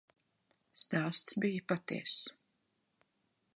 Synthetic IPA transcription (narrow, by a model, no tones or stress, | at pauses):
st̪aːst̪sbijəpat̪ḭɛsu̥